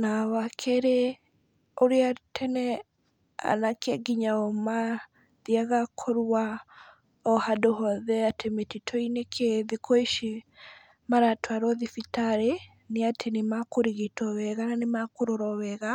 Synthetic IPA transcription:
nawakʰeɾe | oɾeatʰɛnɛ | a̰nakɛɡiɲaɔma | ðiaɣakʰoɾua | ɔhadoɦɔðɛatemetitʰɔinekʰeðikʰoiʃi | maɾatwaɾɔðifitaɾe | neatʰenemakoɾiɣetɔwɛɣananemakoɾoɾɔwɛɣa

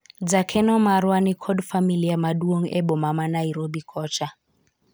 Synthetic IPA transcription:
d͡zakʰɛnɔmaɾwanikʰɔdfamilijamaduoŋ̩ʔɛbɔmamanaiɾobikʰɔːt͡ʃʰʼa

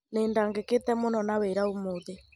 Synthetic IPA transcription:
neːndaŋɡeketɛmonɔnaweɾaumoðe

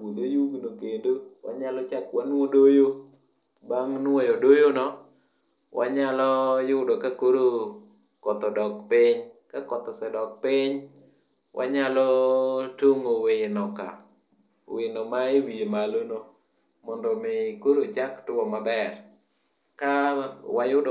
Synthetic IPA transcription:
od̪ojuɡnokendowa̰ɲalɔt͡ʃakwanwodojo | baŋnwɔjodojonɔ | wʔa̰ɲalɔjʊdɔkakoɾo | kɔt̪ɔdɔkpɪɲkakɔt̪ɔsɛdɔk̚pɪɲ | wʔa̰ɲalɔtoŋowenɔka̰ | wɪnɔmaiwiemalono | mɔndɔmɪkoɾot͡ʃaktʊwɔmabɛr | kawajʊd

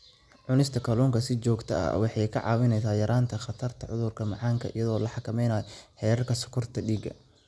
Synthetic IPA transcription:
ʕʊnɪst̪ʰɐkʰɐlɔːŋkʰɐsɪt͡ʃɔːɡt̪ʰɐɐ̰wɑħɑjkʰɐ̰ʕɑ̰ːwɪnɛjsaːjɐɾʔaːnt̪ʰɐxɑt̪ʰɐrt̪ʰɐʕʊðʊrkʰɐmɑʕɑːŋkʰɐʔḭjɐðɔːlɐħɑkʰɐmɛjnaːjɔħɛːɾɐrkʰɐsʊ̥kʰʊrt̪ʰɐɖiːɡɐ̰

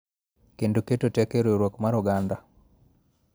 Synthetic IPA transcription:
kenduketotekeɾeɾwokmaɾuɡanda

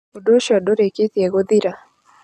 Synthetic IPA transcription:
odoʃɔdoɾeket̪jɛɡod̪iɾa

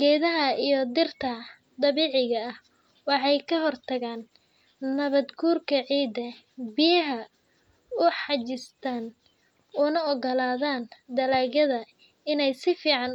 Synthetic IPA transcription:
ɡɛːðɐɦɐijɞd̪ɪrt̪ʰɐ | d̪ɐβiːʕɪɣɐːh | wɑħɑjkʰɐɦɔrt̪ʰɐɣaːnː | ɐβɐd̪ɡuːrkʰɐʕiːd̪ɐ | bɪjɐɦɐ | ʊħɑt͡ʃɪst̪ʰaːn | ʊnɐɔɣɐlaːðaːnd̪ɐlaːɣɐðɐ | ɪnɛjsɪfiːʕɑn

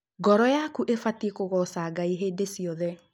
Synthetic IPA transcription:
ɡɔɾɔjakuʔefatikoɣɔsaɡaiɦeːdesiɔðɛ

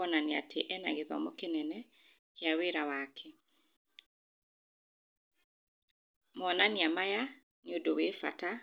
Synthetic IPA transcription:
ɔnania̰tʰeʔɛna̰ɣeðɔ̰mokenɛnɛ | kjaweɾawakʰɛ | mɔnaniamaja | neodowefa̰ta

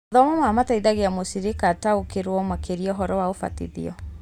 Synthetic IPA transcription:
ðɔmɔmamataiðaɣeamosiɾikataokeɾwɔmakʰeɾiɔɦɔɾɔwaofa̰tḭðḭɔ

